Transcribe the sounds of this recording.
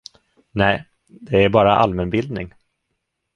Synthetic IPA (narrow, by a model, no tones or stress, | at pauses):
nɛː | d̪ɛæɾbɑːɾaʔa̰lmɛnbɪld̪nɪŋ